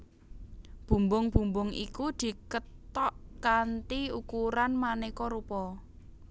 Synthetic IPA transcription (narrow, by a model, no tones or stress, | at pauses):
b̥ṳmbʊŋb̥ṳmbʊŋḭkud̪̥i̤kət̪ɔʔkant̪iukuɾanmanekɔɾupɔ